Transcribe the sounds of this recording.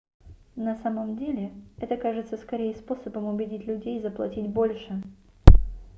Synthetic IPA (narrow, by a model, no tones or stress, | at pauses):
nɐsaməmdʲelʲɪɛt̪əkaʐɨt̪səskɐɾʲejəspo̞səbəmʊbʲɪdʲitʲlʲʉdʲejzəplˠɐtʲitʲbo̞lʲʂɨ